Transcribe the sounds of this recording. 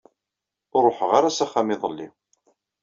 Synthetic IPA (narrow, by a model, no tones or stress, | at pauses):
ʊɾˤoħəʁaɾasaχːamɪðˤəlːḭ